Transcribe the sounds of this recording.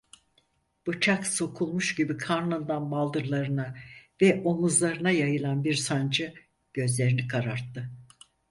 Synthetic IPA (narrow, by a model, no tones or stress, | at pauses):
b̥ɯt͡ʃʰakso̞kʰulˠmuʃɟibikʰaɾnɯnd̪anbalˠd̪ɯɾlˠaɾɯnavɛʔomuzlˠaɾɯnajajɯlˠanbiɾsand͡ʒɯ | ɟ̥ø̞zlʲe̞ɾinikʰaɾaɾt̪ʰːɯ